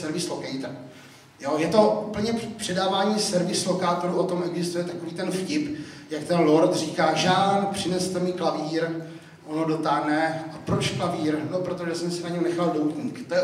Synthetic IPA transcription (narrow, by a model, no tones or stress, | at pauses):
sɛɾvɪslokɛjt̪a | jojɛt̪o̞upl̩ɲɛpr̥ɛdaːvaːɲiːsɛɾvɪslokaːt̪oɾuʔo̞t̪o̞mʔɛɡzɪst̪ujɛt̪ako̞viːt̪ɛnfcɪpjakt̪ɛnlo̞ɾt̪r̝iːkaːʒaːlnpr̝̥ɪnɛst̪ɛmiːklaviːɾ | ʔonodo̞t̪aɦnɛʔapɾo̞t͡ʃklaviːɾnopɾot̪oʒɛsɛmsɛnaɲɛwnɛxaldowt̪ɲiːkt̪ojɛ